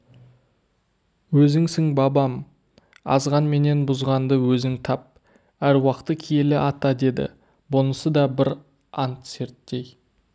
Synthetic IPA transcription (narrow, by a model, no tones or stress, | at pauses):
wɵzɪŋsɪŋbɑbɑm | ɑ̰zʁɑnme̞ne̞nbʊzʁɑnd̪əwɵzɪŋt̪ʰɑp̚ | æɾwɑqt̪əkʲʰijelɪʔɑt̪ɑd̪e̞d̪ɪ̰ | bonəsəd̪ɑbɪɾ | ɑnt̪se̞ɾt̪ːe̞j